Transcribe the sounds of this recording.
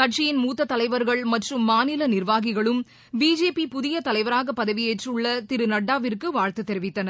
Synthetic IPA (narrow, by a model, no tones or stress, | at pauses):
kɐʈt͡ʃɪjɪnmuːt̪ːɐt̪ːɐlɐɪʋɐɾɣɐɭmɐʈrɯmːaːnɪlɐnɪrʋaːɣɪɣɐɭɯm | biːd͡ʒeːpipʊðɪjɐt̪ɐlɐɪʋɐɾaːɣɐpːɐðɐʋɪjeʈrɯɭːɐt̪ɪɾɯnɐɽːaːʋɪrkɯʋaːɻt̪ɯt̪ːɛɾɪʋɪt̪ːɐnɐ